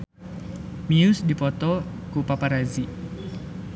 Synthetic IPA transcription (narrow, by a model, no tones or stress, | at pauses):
miusdipɔt̪ɔ | kupapaɾazi